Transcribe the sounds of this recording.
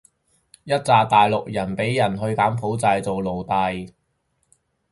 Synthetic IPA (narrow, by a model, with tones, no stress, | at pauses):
jɐ˥t̚t͡saː˨˧t̪aː˨jlʊ˨k̚jɐ˨˩npe˨˥jjɐ˨˩nɦɵ˧ɥkaː˨˥mpʰo˨˥wt͡sɐ˧jt͡so˨wlo˨wt̪ɐ˨˧j